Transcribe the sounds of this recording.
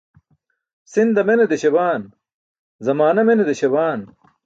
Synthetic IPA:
sind̪ɐmened̪eɕebaːn | zɐmaːnɐmened̪eɕebaːn

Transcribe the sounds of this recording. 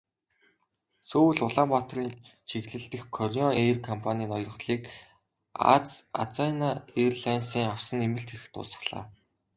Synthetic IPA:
soːwɘ̆ɮʊɮaːmpat̪riːnt͡ɕʰiɣɮɘ̆ɬt̪ɘ̆xkʰːɔrʲiɔŋerkʰɔmpʰanʲiːnɔjrɞ̆χt̪ɮiːk | a̰t͡sa̰t͡sanaerɮænsiːŋaw̥sə̆nemɘ̆ɬt̪xeɾɘ̆xt̪ʊ̰ːsə̥̆χɮ̥a̰ː

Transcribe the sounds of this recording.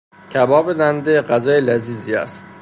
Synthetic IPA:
cʰæbɒːbed̪ænd̪eɢæzɒːjelæziːziæ̰st̪

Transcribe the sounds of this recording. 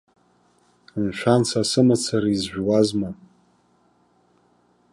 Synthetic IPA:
nʃʷʰansʰasɨmat͡sʰaɾiizʒʷᶣwazma

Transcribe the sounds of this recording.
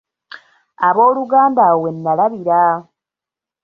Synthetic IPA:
aβo̞ːluɡaːndawenːalaβiɾa

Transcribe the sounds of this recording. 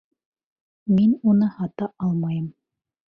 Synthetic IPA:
minunɤhɑt̪ɑʔɑlˠmɑjɤm

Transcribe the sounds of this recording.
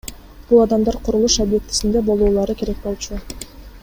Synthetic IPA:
b̥ulˠɑd̪ɑmd̪ɑɾqʰʊɾulˠuʃobje̞k̚t̪i̥sind̪e̞bo̞lˠuːlˠɑɾɯkʲe̞ɾe̞k̚bo̞lˠt͡ʃu

